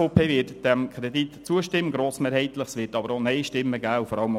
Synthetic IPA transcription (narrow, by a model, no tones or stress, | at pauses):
oːpʰeːʋɪtd̥ɛmkʰɾɛditt͡suəʃtɪmːəɡɾoːsmeːɾhɛɪt̪ləχsʋɪːtɑbəɾonɛɪʃtɪmːəɡæːufɔɾɑləm